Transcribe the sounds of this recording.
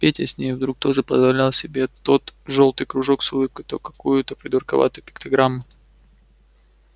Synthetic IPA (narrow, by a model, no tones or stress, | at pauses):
pʲetʲəsʲnʲejvd̪ɾuk̚t̪o̞ʐɨpəzvɐlʲalˠsʲɪbʲe̞t̪o̞t̪ʐo̞lˠt̪ɨjkɾʊʐo̞ksʊlˠɨp̚kəjt̪okɐkujʊt̪əpɾʲɪd̪ərkɐva̰t̪ʊjʊpʲɪ̥kt̪ɐɡɾamːʊ